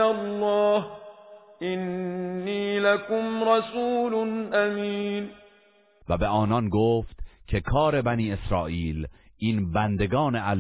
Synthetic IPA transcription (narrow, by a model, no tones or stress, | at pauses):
alˤːɑːhʔɪnːiːlakʊmɾɑsuːlnʔamiːn | væbe̞ʔɒːnɒnɡoːft̪cʰe̞kʰɒːɾe̞bæniːe̞sɾɒːʔiːl | ʔiːnbænd̪e̞ɡɒːne̞ʔæl